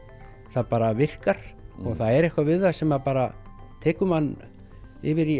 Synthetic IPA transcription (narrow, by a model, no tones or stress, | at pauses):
θaðpaːɾavɪr̥kaɾ̥ɔɣθaðɛɾɛhkvavɪðaðsɛmapaːɾat̪ʰɛːkʏmanː | ɪvɪɾi